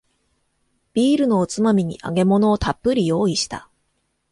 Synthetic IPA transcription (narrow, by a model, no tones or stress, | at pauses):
b̥ʲiːɾɯ̟no̞ːt͡sɨmamʲiɲ̟ḭʔa̰ɡe̞mo̞no̞ːt̪ʰapːɯɾʲijo̞ːiɕi̥t̪a̰